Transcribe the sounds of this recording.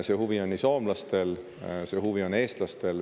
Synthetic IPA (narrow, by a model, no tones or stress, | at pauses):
se̞ːhuvio̞nːisoːmlɑst̪e̞l | se̞ːhuvio̞ne̞ːst̪lɑst̪e̞l